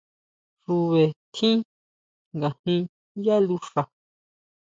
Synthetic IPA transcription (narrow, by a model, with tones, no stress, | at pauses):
ʐu˧βe˨t̪ʰĩ˦ | ŋɡa˨hĩ˧ | ja˦lu˧ʂa˨